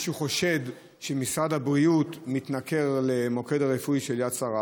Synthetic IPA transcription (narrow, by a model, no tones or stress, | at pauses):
ʃuχo̞ʃe̞d | ʃemisʁadhabʁiutmit̪nake̞ʁle̞mo̞ke̞daʁefujʃe̞ljasaʁa